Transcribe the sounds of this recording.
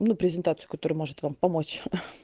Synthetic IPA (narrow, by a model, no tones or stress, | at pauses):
nupɾʲɪzʲɪnt̪at̪sɨjʊ̥kɐt̪o̞ɾɨjmo̞ʐɨt̪vampɐmot͡ɕ